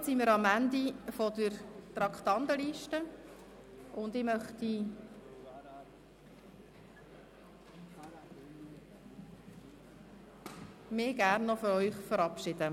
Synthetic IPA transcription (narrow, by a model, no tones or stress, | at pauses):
simɪɾɑmænd̪ifɔd̪əɾt̪ɾɑkt̪ɑnd̪əliʃtə | ʊnd̪ɪmœχt̪i | mɪɡæɾnːɔfɔɾœʏχfəɾɑpʃɪd̥̪ə